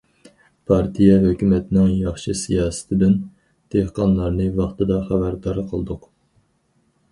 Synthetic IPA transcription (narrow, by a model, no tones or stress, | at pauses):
pʰɑɾt̪ʰijɛɦøkʲymɛt̪ʰɪnɪŋjɑχʃɨsijɑːsɨ̥t̪ʰɪd̪yn | d̪̥ehqʰɑnlˠɑɾnɨvɑχt̪ɨd̪ɑχæbæɾd̪ɑɾqʰəlˠd̪ʊq